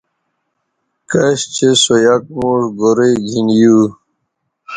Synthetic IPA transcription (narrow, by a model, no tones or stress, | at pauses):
kɐɕt͡ɕʰesojak̚muːʂɡoɾeɡʱinjuː